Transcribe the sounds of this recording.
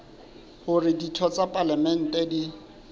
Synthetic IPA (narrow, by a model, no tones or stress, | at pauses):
hʊrɪditʰɔt͡sʼapʼalamɛn̩tʼɛdi